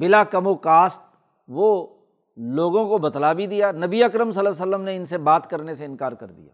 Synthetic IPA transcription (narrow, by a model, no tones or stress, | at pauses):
bɪlakɐmokaːst̪̚ | ʋo | loːɡõkobɐt̪labʱid̪ijaːnɐbiɐkɾəmsɐləs̬əlːəmneɪnsebaːt̪kɐɾneseɪnkaːɾkɐ̰ɾd̪ḭja̰ː